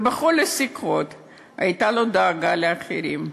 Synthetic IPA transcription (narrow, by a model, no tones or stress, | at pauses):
beχolesikʁot̪ | ajt̪alo̞d̪aːɡaleaχeɾim